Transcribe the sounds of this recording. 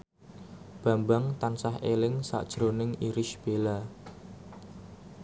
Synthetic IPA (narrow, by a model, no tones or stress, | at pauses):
b̥ä̤mbaŋt̪ansahelɪŋsa̰ʔd̥ʒ̥ɾonɪŋiɾɪʃb̥ela